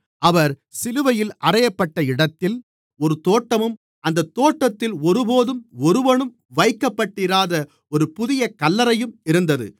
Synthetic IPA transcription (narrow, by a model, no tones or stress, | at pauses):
ʔɐʋɐɾ | sɪlɯʋɐjɪlʔɐrɐjɐpːɐʈːɐɪɽɐt̪ːɪl | ɔɾɯt̪oːʈːɐmɯm | ɐnd̪ɐt̪ːoːʈːɐt̪ːɪlɔɾɯpoːðɯmɔɾɯʋɐɳɯm | ʋɐɪkːɐpːɐʈːiːɾaːðɐ | ɔɾɯpʊðɪjɐkɐlːɐɾɐjɯmɪɾɯnd̪ɐðɯ̰